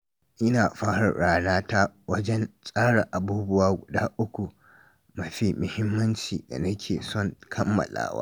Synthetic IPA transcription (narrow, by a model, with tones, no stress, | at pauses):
ʔɪ˦naː˨ɸaː˦ɽɐ̰˨ɽaː˦naː˦ta˦wɐ˦d͡ʒɛ˦nsʼaː˦ɽa˨ʔa˨buː˦bʊ˦waː˦ɡʷʊ˨daː˦ʔʊ˦kʷu˨ | mɐ˨ɸiː˦mʊ˨hɪ˦mːɐ˦nt͡ʃiː˨da̰˨nɐ˦kʲʰeː˨sɔ˦˨ŋkʰɐ˦mːɐ̰˨la̰ː˦wa̰ː˦